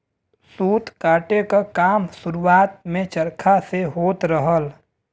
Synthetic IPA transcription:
suːt̪kaːʈekakaːmsʊɾuaːt̪̚mẽt͡ʃəɾkʰaseɦoːt̪ɾəɦəl

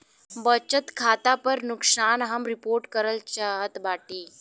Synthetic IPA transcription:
bət͡ɕət̪kʰat̪apəɾnuksanɦamɾipoɾʈkəɾəlt͡ɕaɦət̪baʈiː

